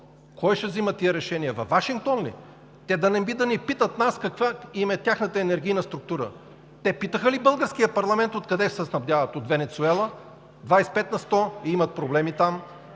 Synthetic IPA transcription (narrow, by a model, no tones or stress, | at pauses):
kɔjʃɛvzimət̪ːiəɾɛʃɛniɛvɐfvːaʃiŋk̚t̪ɔnlḭ | t̪ɛd̪ɐnɛbid̪ɐnipit̪ət̪naskɐkvaimɛt̪ʲaxnət̪əɛnɛɾɡ̟ʲijnəst̪ɾuk̚t̪uɾə̰ | t̪ɛpit̪əxəlibɤlˠɡəɾskijəpɐɾlˠɐmɛnt̪ot̪kɐd̪ɛsɛsnɐbd̪javɐt̪ot̪vɛnɛt̪suɛlˠə | d̪vajspɛt̪nɐst̪ɔiimɐt̪̚pɾoblɛmit̪am